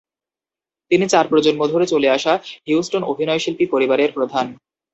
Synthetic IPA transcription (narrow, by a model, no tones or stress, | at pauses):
t̪init͡ɕaɾpɾod͡ʑonmod̪ʱoɾet͡ɕoleaʃaɦiwsʈonobʱinɔeʃilpipoɾibaɾeɾpɾod̪ʱan